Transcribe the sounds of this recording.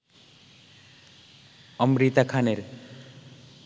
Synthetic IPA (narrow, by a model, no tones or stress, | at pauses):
ʌmɾit̪akʰaneɾ